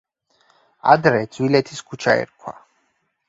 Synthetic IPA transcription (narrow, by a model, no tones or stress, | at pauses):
a̰d̪ɾɛd̪z̥wilɛt̪ʰiskʰut͡ʃʰaɛ̰ɾkʰwa̰